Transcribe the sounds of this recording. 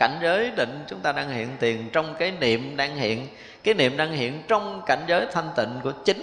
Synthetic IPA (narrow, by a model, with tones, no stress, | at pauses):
ka˧˩jŋ̟zəː˨˦jɗḭ̈˧˨ŋ̟t͡ɕʊ˨˦ŋ͡mt̪aː˧ɗaː˧ŋhḭ˧˨ənt̪i˨˩ənt͡ɕɔ˧wŋ͡mkaː˨˦jnḭ˧˨əmɗaː˧ŋhḭ˧˨ən | kaː˨˦jnḭ˧˨əmɗaː˧ŋhḭ˧˨ənt͡ɕɔ˧wŋ͡mka˧˩jŋ̟zəː˨˦jt̪ʰa˧jŋ̟t̪ḭ˧˨ŋ̟ku˧˩ət͡ɕï˨˦n